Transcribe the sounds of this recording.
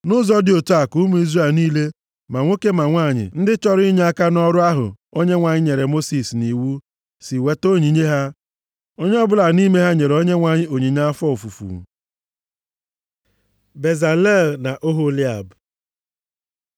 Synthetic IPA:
nʊ˦zɔ˦dɪ˨o˨tu˦a˨ku˦mu˦i˦zre˨lniː˦le˦ | ma˨ŋʷo˦ke˦ma˨ŋʷa˦˨ɲɪ̰˨n̩˦dɪ˦t͡ʃɔ˦ɾi˦ɲe˦a˦ka˦nɔ˦ɾʊ˦a˦ɦʊ̰˨o˦ɲe˦ŋʷa˨ɲɪ˦ɲe˨ɾe˨mo˦si˨sni˨wu˦ | si˨we˦to˦ɲi˨ɲe˦ɦa˦ | o˦ɲe˦ɔ˦bʊ˦la˨ni˦me˦ɦa˦ɲe˨ɾo˦ɲe˦ŋʷa˨ɲɪ˦o˨ɲi˨ɲa˦a˦fɔ˦o˨fu˨fṵ˨ | be˨za˨le˦˨lna˨ʔo˦ɦo˦li˦a˨b

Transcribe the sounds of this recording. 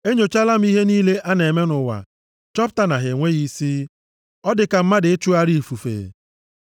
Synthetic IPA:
e˦ɲo˨t͡ʃa˦la˦m̩˦i˦ɦe˦niː˦le˦ʔa˦ne˨me˦nʊ˨wa̰˨ | t͡ʃɔ˦p̚ta˨na˨ɦe˨ŋʷe˦ɣi˦si˦ | ɔ˦dɪ˨ka˨m̩˦ma˦dɪ˨e˦t͡ʃu˦a˦ɾi˦˨fu˨fḛ˨

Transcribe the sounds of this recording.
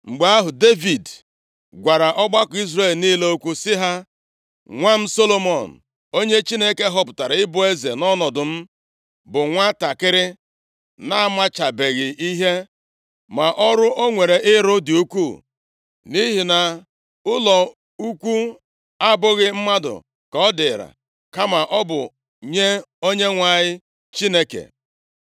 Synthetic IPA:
ŋ͡m̩˨ɡ͡ba˨˦a˦ɦʊ˨de˦vi˨d | ɡʷa˨ɾa˨ʔɔ˦ɡ͡ba˦kʊ˨˦i˦zre˦˨lniː˦le˦o˦kʷu˦sɪ˦ɦa˦ | ŋʷa˦m̩˦so˦lo˦mɔ˨n̩˨ | o˦ɲe˦t͡ʃi˦ne˦ke˦ɦɔ˦pʊ˨ta˨ɾa˨ɪ˦bʊ˦e˦ze˨nɔ˦nɔ˨dʊ˨m̩˦ | bʊ˨ŋʷa˦ta˨kɪ˦ɾɪ˦ | na˦a˦ma˦t͡ʃa˨be˨ɣɪ˨ʔi˦ɦe˦ | ma˨ʔɔ˦ɾʊ˦ʔo˦ŋʷe˨ɾe˨ʔɪ˦ɾʊ˦dɪ˨u˦kʷu˦˨ | ni˦ɦi˨na˨ | ʊ˦lɔ˨ | u˦kʷu˦ | a˦bʊ˦ɣɪ˦m̩˦ma˦dʊ̰˨ | kɔ˨˦ɔ˦dɪ˨ɾa̰˨ | ka˦ma˨ʔɔ˦bʊ˨ | ɲe˦o˦ɲe˦ŋʷa˨ɲɪ˦ | t͡ʃi˦ne˦kḛ˨

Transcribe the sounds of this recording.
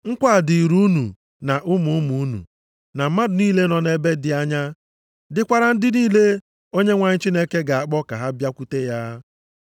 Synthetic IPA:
ŋ̩˦kʷa˦˨dɪ˨i˨ɾu˦nṵ˨ | na˨ʔʊ˦mu˨˦ʊ˦mu˨u˦nṵ˨ | na˨m̩˦ma˦dʊ˨niː˦le˦nɔ˨ne˦be˦dɪ˨a˦ɲa˦ | dɪ˦kʷa˦ɾa˦n̩˦dɪ˦niː˦le˦ | o˦ɲe˦ŋʷa˨ɲɪ˦t͡ʃi˦ne˦ke˦ɡa˨a˨k͡pɔ˦ka˨ɦa˦bja˦kʷu˦te˦ja˦

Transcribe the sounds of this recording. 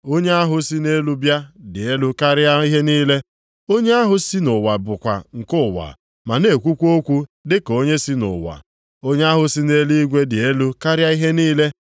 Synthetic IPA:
o˦ɲe˦a˦ɦʊ˨si˦ne˦lu˦bja˦dɪ˨e˦lu˦ka˦ɾja˦i˦ɦe˦niː˦le˦ | o˦ɲe˦a˦ɦʊ˦si˦nʊ˨wa˨bʊ˨kʷa̰˨ŋ̩˨kʊ˦˨wa̰˨ | ma˨ne˨kʷu˦kʷo˦kʷu˦dɪ˦ko˦ɲe˦si˦nʊ̰˨wa̰˨ | o˦ɲe˦a˦ɦʊ˨si˦ne˦li˦ɡʷe˦dɪ˨e˦lu˦ka˦ɾja˦i˦ɦe˦niː˦le˦

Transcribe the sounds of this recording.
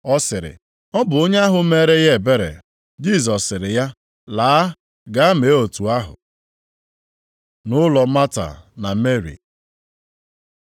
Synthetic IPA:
ɔ˦sɪ˨ɾɪ̰˨ | ɔ˦bʊ˨o˦ɲe˦a˦ɦʊ˨˦me˦ɾe˦je˦˨be˦ɾḛ˨ | d͡ʒi˦˨zɔ˨sɪ˨ɾɪ˨ja˦ | laː˨a˦ | ɡa˦a˦me˨˦o˨tu˨a˦ɦʊ̰˨ | nʊ˦lɔ˨˦ma˦ta̰˨na˨me˦ɾḭ˨

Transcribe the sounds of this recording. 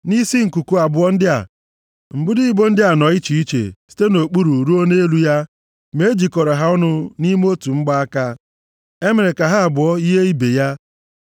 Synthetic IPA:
ni˦si˦ŋ̩˨ku˨ku˦a˨bʊ˨˦ɔ˦n̩˦dɪ˦a̰˨ | ŋ͡m̩˨ɡ͡bʊ˦di˦i˦bo˦n̩˦dɪ˦a˨nɔ˨˦i˦t͡ʃi˨i˦t͡ʃḛ˨si̥˦te˦no˨k͡pu˦ɾu˨ɾu˦o˦ne˦lu˦ja˦ | me˨˦d͡ʒi˨kɔ˨ɾɔ˨ɦa˦ʊ˦nʊ˦ni˦m˦o˦tu˨ŋ͡m̩˦ɡ͡ba˦a˦ka˦ | e˦me˨ɾe˨ka˨ɦa˦a˨bʊ˨ɔ˦i˦ɦe˦i˦be˨ja˦

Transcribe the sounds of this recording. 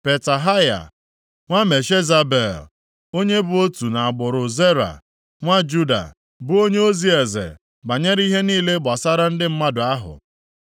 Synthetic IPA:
pe˨ta˨ɦa˦ja̰˨ | ŋʷa˦me˨ʃe˦za˦be˨l | o˦ɲe˦bʊ˦o˦tu˨na˨a˨ɡ͡bʊ˨ɾʊ˨ze˦ɾa̰˨ | ŋʷa˦d͡ʒu˦da̰˨ | bʊ˦o˦ɲe˦o˦zi˦e˨zḛ˨ | ba˨ɲe˦ɾi˦ɦe˦niː˦le˦ɡ͡bɔ˨sa˦ɾa˦n̩˦dɪ˦m̩˦ma˦dʊ˨a˦ɦʊ̰˨

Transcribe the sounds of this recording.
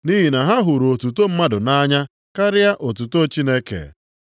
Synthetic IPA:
ni˦ɦi˨na˨ɦa˦ɦʊ˨ɾo˨tu˨to˦m̩˦ma˦dʊ˨na˦ɲa˦ | ka˦ɾɪ˦a˦ʔo˨t̬u˨to˦t͡ʃi˦ne˦kḛ˨

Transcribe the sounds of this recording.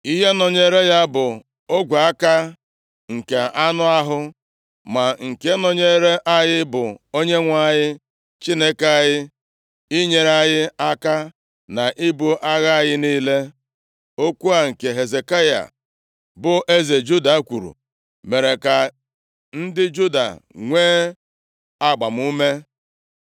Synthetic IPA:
i˦ɦe˦nɔ˨ɲe˦ɾe˦ja˦bʊ˨ | o˦ɡʷa˨a˦ka˦ | ŋ̩˨ke˨a˦nʊ˦a˦ɦʊ˦ | ma˨ŋ̩˨ke˦nɔ˨ɲe˦ɾe˦ʔa˦jɪ˦bʊ˨o˦ɲe˦ŋʷa˦ɲɪ˦ | t͡ʃi˦ne˦ka˦˨jɪ˦ | i˦ɲe˨ɾa˦jɪ˦a˦ka˦ | na˨ʔi˦bu˦ʔa˦ɣa˦a˨jɪ˦niː˦le˦ | o˦kʷu˦a˨ŋ̩˨ke˨ɦe˨ze˨ka˦ja̰˨ | bʊ˦ʔe˦ze˨d͡ʒu˦da˨˦kʷu˨ɾṵ˨ | me˨ɾe˨ka˨ | n̩˦dɪ˦d͡ʒu˦da̰˨ŋʷeː˦ | a˦ɡ͡ba˨m˦u˦me˦

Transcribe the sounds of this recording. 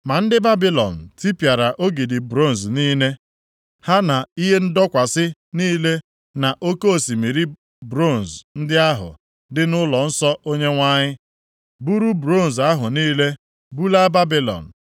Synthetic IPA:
ma˨n̩˦dɪ˦ba˦bi˦lɔ̰˨n̩˨ti˦pja˨ɾa˨ʔo˦ɡi˨dɪ˨bɾo˦˨n̩˨zniː˦ne˦ | ha˦na˨i˦ɦe˦n̩˦dɔ˦kʷa˨sɪ˦niː˦le˦ | na˨ʔo˦ko˦o˨si˨mi˨ɾi˦ | bɾo˦˨n̩˨zn̩˦dɪ˦a˦ɦʊ̰˨ | dɪ˦nʊ˦lɔ˨n̩˦sɔ˦o˦ɲe˦ŋʷa˦ɲɪ˦ | bu˦ɾu˦bɾo˦˨n̩˨za˦ɦʊ˨niː˦le˦ | bu˦la˦ba˦bi˦lɔ̰˨n̩˨

